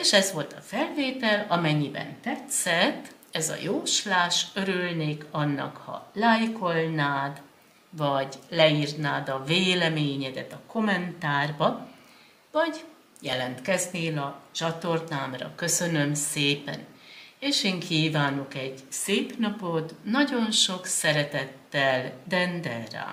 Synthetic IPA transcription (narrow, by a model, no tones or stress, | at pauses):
eːʃɛzʋo̞lt̪ɒfɛlveːt̪ɛlɒmɛɲːibɛ̰nt̪ɛt̪sɛt̪ː | ɛzɒ̰joːʃlaːʃøɾylneːkʰɒnːɒ̰khɒ̰lajko̞lnaːd̪ | vɒɟlɛiːrnaːd̪ɒveːlɛmeːɲɛd̪ɛt̪ɒko̞mɛnt̪aːrbɒ | vɒɟ | jɛlɛnt̪kɛzneːlɒt͡ʃɒt̪o̞rnaːmrɒ̰kø̞sø̞nø̞mseːpɛ̰neːʃeːŋkʰiːvaːnokɛɟseːpnɒpo̞t̪nɒɟo̞nʃo̞ksɛɾɛt̪ɛt̪ːɛld̪ɛnd̪ɛlra̰ː